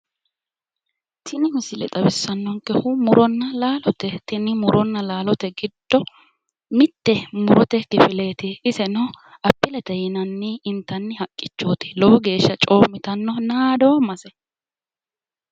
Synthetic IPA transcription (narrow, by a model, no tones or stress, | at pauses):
t̪ʰɪnɪhʊsɪlɛ̰t̪ʼɐbɪsːɐnːɔŋkɛhʊmʊɾɔnːɐlaːlɔt̪ɛt̪ɪnɪmʊɾʔɔnːɐlaːlɔt̪ɛɡɪd̪̥ːɔ | mɪt̪ːɛmʊɾɔt̪ɛkɪfɪle̞ːt̪ɪɪsɛnɔ | ɐpːɪlɛt̪ɛjɪnɐnːɪːnt̪ːɐnːɪhɐkʼːɪt͡ʃːoːt̪ɪ̥loɡe̞ːʃːɐt͡ʃʼo̞ːmːɪt̪ɐnːɔnaːd̪oːmɐsɛ